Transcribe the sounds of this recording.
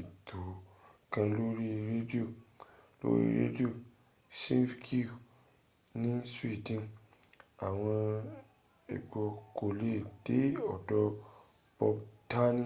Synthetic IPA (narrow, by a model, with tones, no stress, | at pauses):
i˨tʰo˨kã˧lo˦ɾi˦ɾe˦di˦o˦˨lo̰˦ɾḭ˦ɾḛ˦di˦o˦˨ | sĩ˦fkʰi˦˨ | nĩ˦swi˦˨dĩ˦n | a˨w̃ɔ̃˧ | ɛ̰˨ɡ͡bɔ˧ko˨le˦˨d̥e˨˦ɔ˨dɔ˧ | b̥ɔ˧bta˦nĩ˦˨